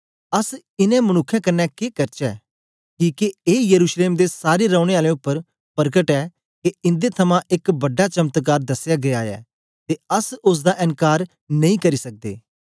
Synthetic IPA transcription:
ɐs | ɪnɛ̃mɐnʊkʰːjɛ̃kɐnːɛkeːkɐɾt͡ʃɛː | kiːkeeːjəɾuːʃleːmd̪esaːɾeɾãʊɽ̃eaːlẽʊpːəɾ | pəɾɡəʈɛː | keɪ̃nd̪et̪ʰɐmãʔɪkbɐɖːat͡ʃɐmt̪kaːɾd̪ɐsːjaɡɐjaːɛ̰ː | t̪eɐsʊs̬d̪aʔɪ̃nkaːɾ | nɐ̃ĩːkɐɾisɐk̚d̪ḛː

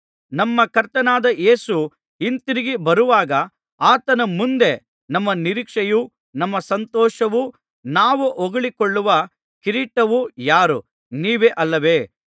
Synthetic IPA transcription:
nɐmːɐkɐɾt̪ɐnaːd̪ɐʔe̞ːsu | ɦint̪iɾiɡibɐɾuʋaːɡɐ | aːt̪ɐnɐmund̪e̞ | nɐmːɐniɾiːkʂɐju | nɐmːɐsɐnt̪ɔːʂɐʋu | naːʋuʔoɡɐɭikoɭːuʋɐ | kiɾiːʈɐʋujaːɾu | niːʋeʔɐlːɐʋe̞ː

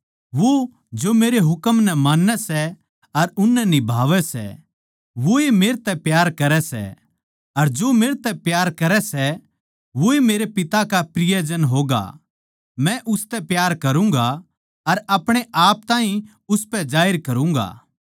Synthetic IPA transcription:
ʋo | d͡ʒomeːɾeɦʊkəmnɛmaːnːɛsɛ | ɐɾʊnːɛnibʱaːʋɛsɛ̰ | ʋoemeːɾt̪ɛpjaːɾkɐɾɛsɛ̰ | ɐɾd͡ʒoːmeːɾt̪ɛpjaːɾkɐɾɛsɛ | ʋoemeːɾepɪt̪akapɾɪjəd͡ʒənɦoːɡa̰ | mɛ̃ʔʊst̪ɛpjaːɾkɐɾũŋɡa | ɐɾɐpɽ̃eʔaːp̚t̪ãːɦĩ | ʊspɛd͡ʒaːɪɾkɐɾũŋ̆ɡa̰ː

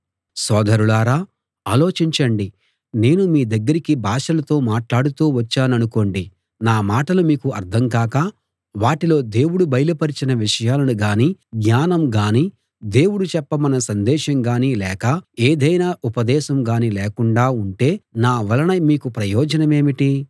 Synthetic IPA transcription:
sɔːd̪ʱɐɾuɭaːɾaː | aːlo̞ːt͡ʃiɲt͡ʃɐɳɖi | ne̞ːnumiːd̪ɐɡːɐɾikibʱaːʂɐlɐt̪o̞ːmaːʈlaːɽut̪uːʋɐt͡ʃːaːnɐnuko̞ːɳɖi | naːmaːʈɐlumiːkuɐɾt̪ʰɐŋkaːkɐ | ʋaːʈilo̞ːd̪e̞ːwuɽubɐjlɐpɐɾit͡ʃinɐʋiʂɐjaːlɐnuɡaːniːɡɲaːnɐmɡaːni | d̪e̞ːwuɽut͡ʃɛpːɐmɐnɐsɐnd̪ɛːʂɐŋɡaːniːlɛːkɐeːd̪ɐjnaːʔupɐd̪ɛːʃɐmɡaːnilɛːkuɳɖaːuɳʈe̞ːnaːʋɐlɐnɐjmiːkupɾɐjɔːd͡ʒɐnɐme̞ːmiʈi

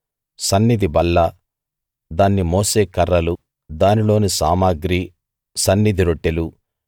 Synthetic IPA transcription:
sɐnːid̪ibɐlːɐ | d̪aːnːimoːse̞ːkɐɾːɐlu | d̪aːnilo̞ːnisaːmaːɡɾi | sɐnːid̪iɾoʈːelu

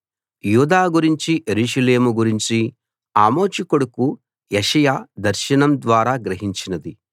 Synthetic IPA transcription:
juːd̪aːɡuɾiɲt͡ʃiʔeɾuːʃɐleːmuɡuɾiɲt͡ʃi | aːmo̞ːt͡ʃikoɽuku | jeʃɐjaːd̪ɐɾʃɐnɐmd̪ʋaːɾaːɡɾɐɦiɲt͡ʃinɐd̪i

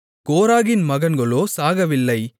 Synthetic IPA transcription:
koːɾaːɣɪnmɐɣɐnɡɐɭoːsaːɣɐʋɪlːɐɪ

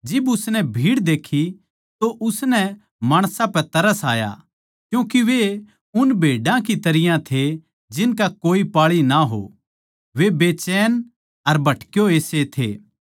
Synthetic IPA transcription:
d͡ʒɪbʊsnɛbʱiːɽd̪eːkʰːi | t̪oʔʊsnɛ | maːɽ̃sãpɛt̪ɐɾəsa̰ːja̰ | kjũːkiʋe | ʊnbʱeːɖãkit̪ɐɾɪjãt̪ʰe | d͡ʒɪnkakoːipaːɭinaɦo̰ | ʋebeːt͡ʃɛːn | ɐɾbʱɐʈkjoeːset̪ʰḛː

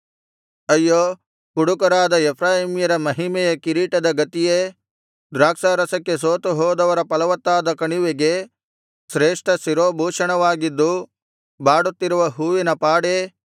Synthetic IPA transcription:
ɐjːoː | kuɽukɐɾaːd̪ɐɛpʰɾaːɦimjɐɾɐmɐɦimɛjɐkiɾiːʈɐd̪ɐɡɐt̪ije | d̪ɾaːkʂaːɾɐsɐkːe̞soːt̪uɦɔːd̪ɐʋɐɾɐpɐlɐʋɐt̪ːaːd̪ɐkɐɳiʋeɡe̞ | sɾeːʂʈɐsiɾoːbʱuːʂɐɳɐʋaːɡid̪ːu | baːɽut̪ːiɾuʋɐɦuːʋinɐpaːɽe

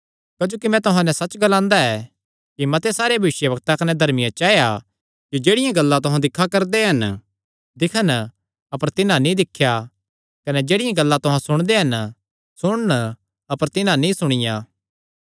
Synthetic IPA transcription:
kɐd͡ʒoːkimɛ̃t̪ʊɦãnɛ̃sɐt͡ʃːɡɐlãːnd̪aɛ | kimɐt̪esaːɾebʱɐʋɪʃjəbɐk̚t̪akɐnɛd̪ʱɐɾmɪjãt͡ʃaːeja | d͡ʒod͡ʒeːɽɪjãɡɐlːãt̪ʊɦãd̪ɪkʰːakɐɾd̪eɦɐn | d̪ɪkʰən | ɐpəɾt̪ɪnãnĩd̪ɪkʰːja | kɐnɛd͡ʒeːɽɪjãɡɐlːat̪ʊɦãsʊɽ̃d̪eɦɐn | sʊɽ̃ən | ɐpəɾt̪ɪnãnĩsʊɽ̃ɪjaː

